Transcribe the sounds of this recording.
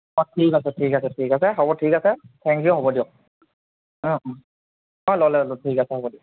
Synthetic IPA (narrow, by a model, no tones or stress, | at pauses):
ɔtʰikasɛtʰikasɛtʰikasɛɦɔbɔtʰikasɛtʰɛŋkijʊɦɔbɔdijɔk̚ | ɔ̃ɔ | ɦɔlɔlɛlotʰikasɛɦɔbɔdiɔ